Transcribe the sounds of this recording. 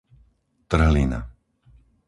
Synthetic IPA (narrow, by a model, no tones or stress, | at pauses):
t̪r̩ɦlina̰